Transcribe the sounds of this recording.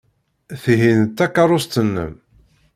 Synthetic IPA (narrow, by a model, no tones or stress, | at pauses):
θɦint̪ːakːaɑɾˤʊst̪ənːə̰m